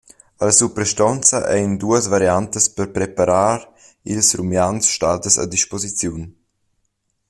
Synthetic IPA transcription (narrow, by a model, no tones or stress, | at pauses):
alsupɾɛʃtɔnt͡səʔɛjnd̪uəsvaɾjant̪əspəɾpɾɛpaɾaːɾ | ilsɾumjansʃtad̪əsa̰d̪iʃpozit͡sjun